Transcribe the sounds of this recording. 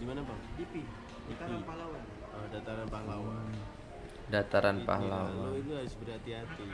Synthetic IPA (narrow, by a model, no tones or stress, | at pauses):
dimanapaŋdipi | dat̪apalawan | ədat̪aɾanpaɦlawa | dat̪aɾanpa̰hlawaait̪uɦaɾʊsbəɾɦat̪iɦat̪i